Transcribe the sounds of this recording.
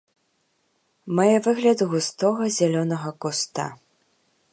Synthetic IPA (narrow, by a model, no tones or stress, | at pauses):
majɛvɨɣlʲɐd̪ɣust̪ɔɣɐzʲalʲɔnɐɣɐkɔst̪a̰